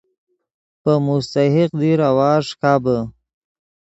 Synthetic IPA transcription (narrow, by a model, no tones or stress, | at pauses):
pəmʊst̪aɦɪqd̪iɾawɑːʐkabə